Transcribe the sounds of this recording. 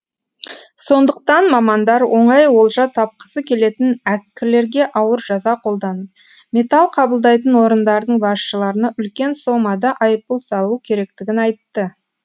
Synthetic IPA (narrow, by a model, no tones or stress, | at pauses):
so̞nd̪əq̚t̪ɑnmɑmɑnd̪ɑɾwʔo̞ɴɑjwo̞lˠʒɑt̪ʰɑp̚qə̥səkʲʰe̞le̞t̪ɪnækʲːɪɾle̞ɾɡʲe̞ʔɑwəɾʒɑzɑqʰo̞lˠd̪ɑnəp̚ | mʲe̞t̪alˠqʰɑbəlˠd̪ɑjt̪ənwo̞ɾənd̪ɑɾəd̪əɴbɑsʃəlˠɑɾənɑʔʏlkʲe̞nso̞mɑd̪ɑʔɑjəp̚pulˠsɑlˠukʲʰe̞ɾe̞kt̪ɪɡʲɪnɑjt̪ːə